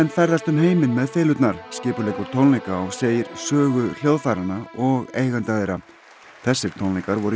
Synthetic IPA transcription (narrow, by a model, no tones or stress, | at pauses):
ɛnfɛɾðast̪ʏmɦeːjmɪnmɛðfeːlʏt̪naɾ̥scɪːpʏleːjkʏɾ̥t̪ʰownlejkaɔɣseːjɪɾ̥sœːɣʏl̥jowðfaːɾanaɔɣeːjɣant̪aðejɾa | θɛsːɪɾ̥t̪ʰownlejkaɾvɔɾʏ